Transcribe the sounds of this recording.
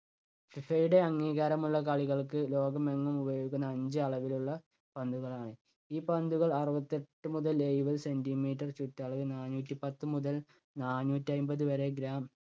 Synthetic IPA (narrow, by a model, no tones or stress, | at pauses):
fifɐjuɽe̞ɐŋːiːɣaːɾɐmuɭːɐkɐɭiɣɐɭkɨlo̞ːɡɐme̞ŋːɐmubɐjo̞ːɡikːunːɐːɲd͡ʑɨɐɭɐʋiluɭːɐ | pɐnd̪uɣɐɭaːɳɨ | iːpɐnd̪uɣɐɭɐruʋɐt̪ːeʈːɨmuðɐlejʋɐðɨse̞ndimiːtːɐrt͡ɕutːɐɭɐʋɨnaːnuːtːipɐt̪ːɨmuðɐl | naːnuːtːiɐjmbɐðɨʋɐɾe̞ɡɾaːm